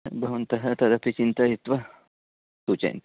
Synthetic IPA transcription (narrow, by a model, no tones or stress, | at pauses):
bʱɐʋɐnt̪ɐɦɐt̪ɐd̪ɐpit͡ʃint̪ɐit̪ʋɐ | suːt͡ʃɐ̰jnt̪